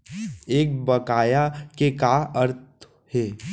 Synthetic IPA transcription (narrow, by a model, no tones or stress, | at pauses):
eːk̚bɐkaːjakekaəɾt̪̚ | hɛː